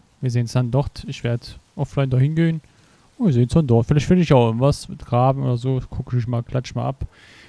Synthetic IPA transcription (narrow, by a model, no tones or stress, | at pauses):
viːɐzeːənsd̥andɔʁtɪçv̥eːɐdʔɔflaɪndaːhɪnɡeːən | ʊnviːɐzeːənsd̥andɔtfɪlaɪçtfɪndəɪçaʊɪɡŋ̩tvasmɪtɡ̥ʁaːbm̩ʔo̰ːdɐzoːkʰʊkɪçmaːlkʰl̥at͡ʃma̰ːlʔap